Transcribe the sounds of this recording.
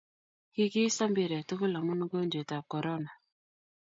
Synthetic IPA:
ki˦ki˦sa˦mbɪ˨ɾɛ˨tʊ˦kʊ˦la˨mu˦nu˦ɡo˦ɲd͡ʒo˨ta˨kɔ˨ɾɔ˦na˨

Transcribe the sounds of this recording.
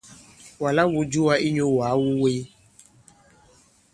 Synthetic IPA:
wa˨la˦wo˨˦d͡ʒu˦wa˧i˦ɲo˦wa˨˦wu˦we˦

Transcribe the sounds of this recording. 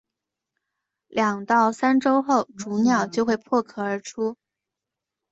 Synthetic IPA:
ljɑ˨˩ŋt̪ɑ˥˩ʊsa˥nʈ͡ʂo˥ʊxo˥˩ʊʈ͡ʂu˧˥njɑ˨˩ʊt͡ɕjo˥˧ʊxwe˥˧ɪpʰwɔ˥˩kʰɤ˥˩ə˞˧˥ʈ͡ʂʰu˥

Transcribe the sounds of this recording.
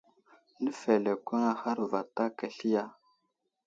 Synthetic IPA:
nə˦fe˨le˨kʷə˦ŋa˦ha˦ɾva˨ta˦ka˨ɬi˦ja˦

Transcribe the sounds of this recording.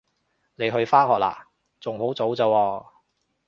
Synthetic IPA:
ne˨˧jɦɵ˧ɥfaː˥hɔː˨k̚la̰ː˨˩ | t͡sʊ˨ŋho˨˥wt͡so˨˥wt͡sɐː˨˧wɔː˧

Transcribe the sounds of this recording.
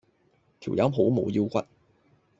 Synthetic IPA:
t̪ʰi˨˩wjɐ˨˥mɦo˨˥wmo˨˧ji˥˧wkʷɐ˥t̚

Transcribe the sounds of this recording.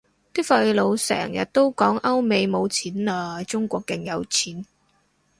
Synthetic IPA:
t̪iː˥k̚fɐ˧jlo˨˧wsɛ̰ː˨˩ŋjɐ̰˨t̚t̪o˥wkɔː˨˥ŋʔɐ˥wme˨˧jmo˨˧wt͡sʰiː˨˥nlaː˧t͡sʊ˥ŋkʷɔː˧kːɪ˨ŋjɐ˨˧wt͡sʰiː˨˥n

